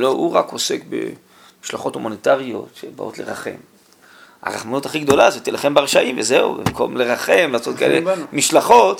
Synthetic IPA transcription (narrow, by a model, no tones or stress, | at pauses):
louʁakose̞kbe̞̰ | miʃlaχo̞tumonet̪aʁio̞t̪ʃebaʔo̰tlḛʁaχe̞̰m | a̰ʁaχmanutaχiɡd̪o̞lazot̪ilaχembeaʁʃaʔimvezeṵbḛmkomleʁaχe̞mlaːso̞t̪̚kaḛlḛmiʃlaχo̞t̪